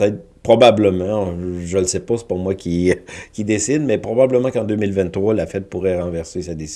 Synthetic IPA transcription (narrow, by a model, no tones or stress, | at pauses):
t̪ɛt̪ | pχɔbabləmɑ̃ʒələsepasɛ̥pɔmwakʲikʲid̪esɪd̪mɛpχɔbabləmɑ̃kɑ̃d̪ømilvɛ̃t̪ːχwalafɛt̪̚puʁɛʁɑ̃vɛʁsesad̪esi̥